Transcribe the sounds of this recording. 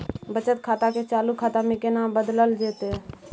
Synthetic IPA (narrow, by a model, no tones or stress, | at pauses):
bət͡ʃət̪kʰaːt̪aket͡ʃaːlukʰːaːt̪amẽkenaːmbəd̪ləld͡ʒeːt̪e